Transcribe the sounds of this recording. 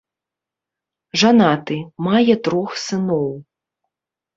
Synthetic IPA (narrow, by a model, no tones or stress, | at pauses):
ʐanat̪ɨmajɛt̪ɾɔxsɨnɔw